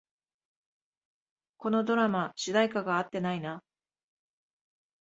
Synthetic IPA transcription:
ko̞no̞d̪o̞ɾamaɕɨd̪aikaɡaːt̪ːe̞naina

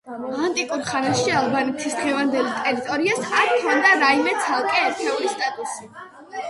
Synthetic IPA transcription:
ant̪ʼikʼuɾχanaʃialˠbanɛt̪ʰisd̪ʁɛvand̪ɛlit̪ʼɛɾit̪ʼɔɾiasaɾkʰɔnd̪aɾaimɛt̪sʰalˠkʼɛɛɾt̪ʰɛlist̪ʼat̪ʼusi

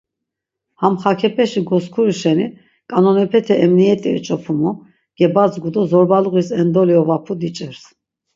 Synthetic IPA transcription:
hamχakʰɛpʰɛʃiɡɔskʰuɾiʃɛni | kʼanɔnɛpʰɛt̪ʰɛʔɛmniɛt̪ʼiɛ̰t͡ʃʼɔpʰumɔ | ɡ̥ɛbat͡sɡud̪ɔzɔɾbaluɣisɛnd̪ɔliɔvapʰud̪it͡ʃʼɛɾs

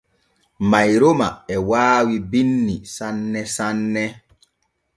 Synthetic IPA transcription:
majɾomaɛwaːwibinːisanːɛsanːɛ

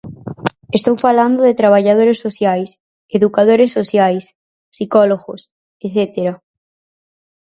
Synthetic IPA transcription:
est̪owfaland̪oðet̪ɾaβ̞aʎað̞oɾesːoθjajs | eðukað̞oɾesːoθjajs | sikɔloɣos | eθet̪eɾa

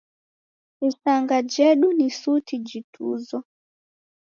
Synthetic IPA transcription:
isaŋɡad͡ʒɛɗunisutʰid͡ʒitʰṵzɔ

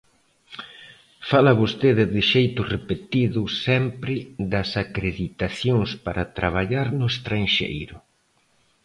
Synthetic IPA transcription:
falɐβost̪eðɪðɪʃejt̪ʊrepet̪iðʊsɛmpɾɪðɐsakɾeðit̪aθjoŋspaɾɐt̪ɾaβ̞aʎaɾnʊest̪ɾaŋʃḛjɾʊ

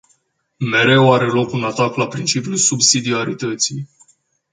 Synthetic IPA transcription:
me̞ɾe̞waɾe̞lo̞kunat̪aklapɾint͡ʃipijulsubsid̪iaɾit̪ət̪sij

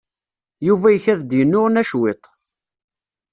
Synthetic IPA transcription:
juvæjəçæðd̪jənːʊʁnæʃwet̪ˤ

